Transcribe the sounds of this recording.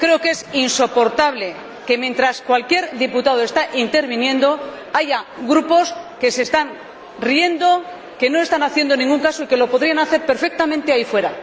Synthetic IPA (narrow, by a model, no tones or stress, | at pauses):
kɾe̞oke̞sinso̞po̞ɾt̪aβle̞ | ke̞mje̞nt̪ɾaskwalkje̞ɾðiput̪að̞oe̞st̪aʔint̪e̞ɾβ̞injẽ̞nd̪o̞ | aʝaɡɾupo̞ske̞se̞ːst̪an | rie̞nd̪o̞ | ke̞no̞e̞st̪anaθje̞nd̪o̞nĩŋɡuŋkaso̞ike̞lo̞po̞ðɾianaθe̞ɾpe̞ɾfe̞k̚t̪amẽnt̪e̞aifwe̞ɾa